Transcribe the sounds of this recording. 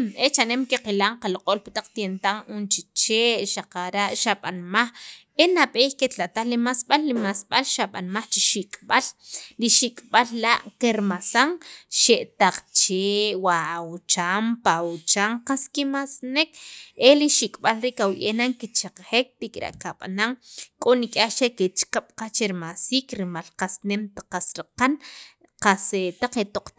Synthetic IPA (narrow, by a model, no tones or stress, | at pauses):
net͡ʃanemkiqilaɴqaloqʼoːlpat̪aq͡χt̪jent̪aŋunt͡ʃit͡ʃeːʔʃaqaɾaʔʃaɓanmaχ | enaɓeːxket̪lat̪aχlimasɓalːimasɓalʃaɓa̰nmaχt͡ʃiʃikʼɓalliʃikʼɓallaʔkeɾmasaŋʃeʔt̪aq͡χt͡ʃeːwawut͡ʃaːmpaut͡ʃaːɴqaskimasnekeliʃikʼɓalɾiːʔkawjʔenaŋkit͡ʃaqχek̚t̪ikʼɾa̰ʔkaɓa̰naŋkʼonikʼaχt͡ʃeket͡ʃqaɓ̥qat͡ʃeɾimasiːkɾimalqasnemt̪aqːasɾiqan | qaset̪aq͡χet̪oq͡χ